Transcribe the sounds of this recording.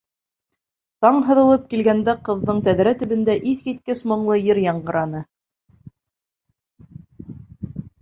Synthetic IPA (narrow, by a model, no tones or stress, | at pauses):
t̪ɑɴɦɤ̆ðɤ̆lˠɤp̚kilɡænd̪æqɤ̆ðːɤɴt̪æðɾæt̪ɵ̆βɘ̆nd̪æʔiθkit̪̚kɘsmŏɴlˠɤjɘɾjɑɴɢɤ̆ɾʔɑnɤ